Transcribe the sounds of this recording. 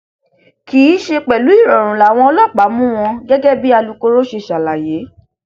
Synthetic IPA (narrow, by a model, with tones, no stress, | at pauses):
ki˨˦ʃe˧k͡pɛ˨lu˨˦i˦˨ɾɔ̃˨ɾ̃ũ˨la˨w̃ɔ̃˧˦lɔ˦˨k͡pa˨˦mũ˦w̃ɔ̃˧ɡɛ˦ɡɛ˦bi˦a˧lu˧ko˧ɾo˦ʃe˧˨ʃa˨la˨je˨˦